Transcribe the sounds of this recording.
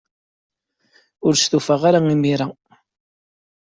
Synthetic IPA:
ʊɾsθufaʁaɾaŋimiɾa

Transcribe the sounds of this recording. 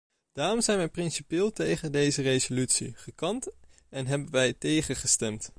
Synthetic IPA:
d̥aːrɔmzɛjnʋɛjprɪnsipɪːlˠtejχəndejzərejzolytsḭχəkɑnt | ɛnɦɛbənʋɛjtejχəχəstɛmt

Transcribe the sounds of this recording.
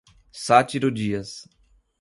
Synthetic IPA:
sat͡ʃiɾod͡ʒiɐs

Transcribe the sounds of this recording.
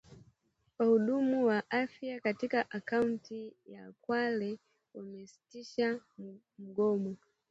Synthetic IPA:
kwahuɗumuwaʔafjakatikaʔakauntijakwalɛ | wamɛsi̥tiʃa | m̩ɡɔmɔ

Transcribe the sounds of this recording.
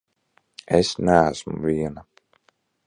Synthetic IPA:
ɛsnææsmṵviɛna

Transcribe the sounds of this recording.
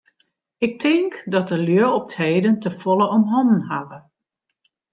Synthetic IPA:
ɪk̚tɪŋkdɔtəljøəɔp̚theːdəntəfɔlˠəɔmɦɔnn̩ɦavə

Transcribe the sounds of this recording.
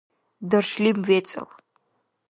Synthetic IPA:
dɐrʂlimwet͡sʼɐ̰l

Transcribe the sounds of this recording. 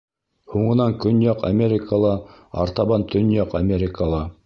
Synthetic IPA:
huɴɤ̆nɑŋkɵnjɑqa̰mʲeɾʲɪkʰəlˠɑɑ̰ɾt̪ɑβɑnt̪ʰɵ̆njɑqamʲeɾʲɪkəlˠɑ

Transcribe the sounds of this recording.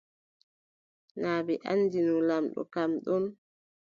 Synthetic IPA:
naːbɛʔa̰nːdinulamɗɔ̰kamɗum

